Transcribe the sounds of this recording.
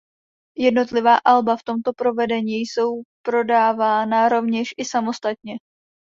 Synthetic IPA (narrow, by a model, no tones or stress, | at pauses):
jɛdno̞t̪lɪvaːʔalbaft̪o̞mt̪o̞pɾo̞vɛdɛɲiːjso̞wpɾo̞daːvaːnaɾo̞vɲɛʃʔɪsamo̞st̪at̪̚ɲɛ